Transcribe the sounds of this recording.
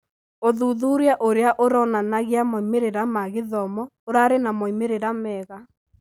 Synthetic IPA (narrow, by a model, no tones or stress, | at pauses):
oðuðuɾeaʔoɾeaʔoɾɔnanaɣeamɔimeɾeɾamaɣeðɔmɔoɾaɾenamɔimeɾeɾamɛːɣa